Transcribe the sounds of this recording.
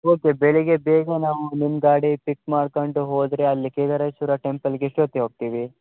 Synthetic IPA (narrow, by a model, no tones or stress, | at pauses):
oːkebeɭiɡebeːɡɐnaːʋunimɡaːɽipikmaːɽkoɳɖuɦoːd̪ɾeɐlːikeːd̪ɐɾɐjsuːɾɐʈempɐlɡeʂʈoːt̪ːeɦoːɡ̚t̪iːʋi